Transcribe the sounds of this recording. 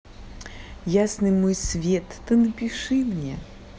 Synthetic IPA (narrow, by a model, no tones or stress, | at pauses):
jasnɨjmojsvʲet̪ːɨnəpʲɪʂɨmnʲḛ